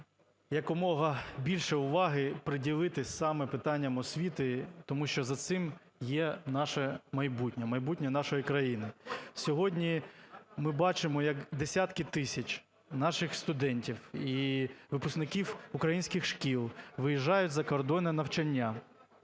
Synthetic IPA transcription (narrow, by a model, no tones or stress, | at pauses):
jɐkɔmɔɦɐbʲilʲʃɛʊʋɑɦɪpɾɪdʲilˠɪt̪ɪsɑmɛpɪt̪ɑnʲːɐmɔsʲʋʲit̪ɪt̪ɔmuʃt͡ʃɔzɐt̪sɪm | jɛnɑʃɛmɐjbutʲnʲɐmɐjbutʲnʲɐnɑʃɔjikɾɐjinɪsʲɔɦɔdʲnʲimɪbɑt͡ʃɪmɔjɐkd̪esʲat̪kɪt̪ɪsʲɐt͡ʃʲ | nɑʃɪxst̪ʊd̪ɛnʲtʲiwiʋɪpʊsknɪkʲiwʊkɾɐjinʲsʲkɪxʃkʲilˠʋɪjiʒɑjʊtʲzɐkɔrd̪ɔnɛnɐwt͡ʃɐnʲːa